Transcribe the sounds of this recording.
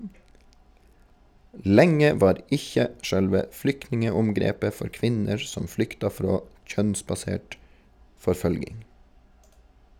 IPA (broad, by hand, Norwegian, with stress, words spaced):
ˈlɛŋə ˈʋɑːɾ ˈɪçə ˈʃœlʋə ˈflʏknɪŋəʊmˌɡɾeːpə ˈfɔɾ ˈkʋɪnəɹ ˈsɔm ˈflʏktɑ ˈfɾoː ˈc͡çœnsbɑˌseːʈ fɔɾˈføːlɡɪŋ